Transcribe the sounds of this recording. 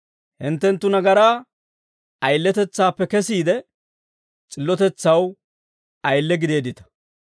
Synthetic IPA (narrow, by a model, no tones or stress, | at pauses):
hɪnt̪ːɛnt̪ːʊnɐɡɐɾaː | ɐjlːɛt̪ɛt͡sːaːpːɛkɛsiːd̪ɛ | t͡sʼɪlːɔt̪ɛt͡sːɐw | ɐjlːɛɡɪd̪e̞ːd̪ɪt̪ɐ̥